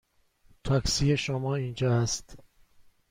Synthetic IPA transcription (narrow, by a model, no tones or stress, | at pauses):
t̪ʰɒksije̞ʃomɒːiːnd͡ʒɒːæst̪